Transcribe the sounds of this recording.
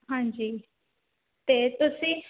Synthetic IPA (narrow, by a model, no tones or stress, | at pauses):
ɦãːɲd͡ʒiː | t̪et̪ʊsĩ